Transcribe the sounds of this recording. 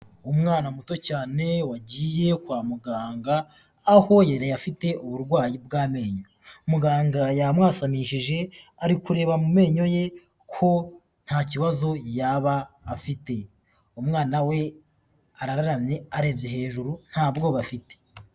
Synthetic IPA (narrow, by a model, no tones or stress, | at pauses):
umŋaːnamuto̞caːne̞waɟiːje̞kwaːmuɡaːŋɡaː | ho̞jeɾejafite̞ʔuβuɾɡwaːjibɡaːme̞ːɲomuɡaːŋɡajamŋaːsamiːʃiʒe̞aɾikuɾe̞ːβamume̞ːɲo̞je̞ | kʰo̞ | n̥haːciβazo̞jaβaːfite̞ | umŋaːnawe̞ | aɾaɾaɾamɲe̞aɾeːvjoɦe̞ːʒuɾun̥haːbɡo̞βafite̥